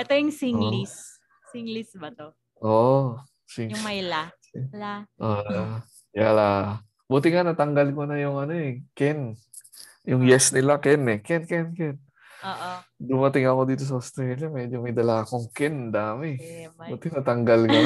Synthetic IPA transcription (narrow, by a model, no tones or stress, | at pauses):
ʔɛt̪ojʊŋsiŋlis | siŋlisbɐt̪o | ʔoːʔo | siŋmɐjla | ʔo | jala | but̪ɪŋanɐt̪ɐŋɡɐlkonɐjʊŋɐno̞ɛkɛn | jʊŋjɛsnɪlakɛnɛkɛnkɛnkɛnː | d̪ʊmɐt̪ɪŋɐkod̪iːt̪o̞s̬ɐost̪ɾɛlamɛd͡ʒomɐjd̪ɐlaːkoŋkɛnd̪aːmɛbuːt̪ɪnɐt̪ɐŋɡɐlka